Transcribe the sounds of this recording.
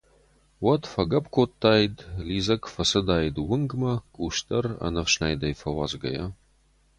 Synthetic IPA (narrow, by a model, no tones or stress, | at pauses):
wɐtfɐɡɐpkʷʰotʰːaːjdliːzɐkfɐsɨd̪aːjdwʊŋɡmɐkʷʼuːʃtʰʼɐrɐ̰nɐfʃnaːjd̪ɐjfɐwa̰ːzɡɐ̰jɐ